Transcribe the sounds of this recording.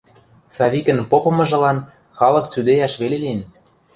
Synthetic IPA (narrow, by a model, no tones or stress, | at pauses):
sɑβikə̆npopɤ̆mɤ̆ʒɤ̆lɑn | xɑlɤ̆kt͡syd̪ejɑʃβelelin